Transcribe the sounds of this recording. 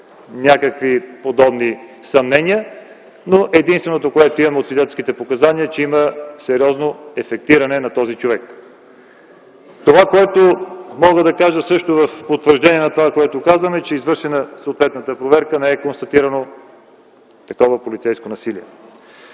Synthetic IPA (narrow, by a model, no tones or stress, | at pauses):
nʲakəkvipod̪ɔbnisɐmnɛniə | noʔɛd̪inst̪vɛnot̪okoɛt̪oimɐmɛot̪sid̪ɛt̪ɛlskit̪ɛpokɐzaniət͡ʃɛiməsɛɾʲiɔznoɛfɛk̚t̪iɾɐnɛnɐt̪ɔzit͡ʃovɛk | t̪ovakoɛt̪omɔɡəd̪ɐkaʒəsɤʃt̪ovɐfpot̪vəɾʒd̪ɛniɛnɐt̪ovakoɛt̪okazvəmɛt͡ʃɛizvɤɾʃɛnəsəoːt̪vɛt̪nət̪əpɾovɛɾkənɛɛkonst̪ɐt̪iɾɐno | t̪ɐkɔvəpolit̪sɛjskonɐsiliɛ